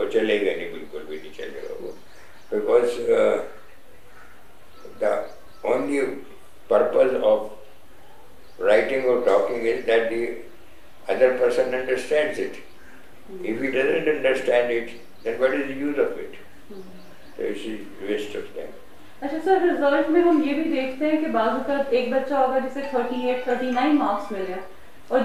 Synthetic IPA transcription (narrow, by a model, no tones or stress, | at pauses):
ot͡ʃəleɪ̃ŋɛnibilkʊlʋɪd̪iːt͡ʃʌ̰d̪ə̰ɾo̰ | b̥ɪkɔːz | d̪ə | õːnli | pəɾpəsɔʋ | ɾaɪʈɪ̃ŋɔːɾʈɔːkɪ̃ŋɪzd̪æʈ̚d̪i | ʌd̪əɾpəɾsə̃nʌ̃ɳɖəɾsʈæ̃ɳɖzɪʈ | ɪfɦiɖɐzə̃ɳʈɐ̃ɳɖəɾsʈæ̃ɳɖɪʈ | d̪ɛ̃nʋɔʈɪzd̪əjuːzɔʋɪʈ | so̰ɪsi | ʋesʈɔfd̪ɛ̰̃m | ɐtːt͡ʃʰasəɾɾɪzəlʈmẽɦɐmjebʱid̪eːkʰt̪eɦɛ̃kebaːzʊkəteːk̚bɐtːʃaɦoːɡaːd͡ʒɪset̪ʰəɾʈieːʈt̪ʰəɾʈinãɪ̃nmaːksmɪlea | ɔːɾ